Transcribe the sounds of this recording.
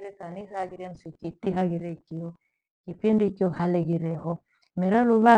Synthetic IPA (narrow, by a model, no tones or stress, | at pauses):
ɾekanisaɡiɾensikitiɦaɡiɾekijo | kipendikiohaleɡiɾeɦɔ | mɛɾaluβa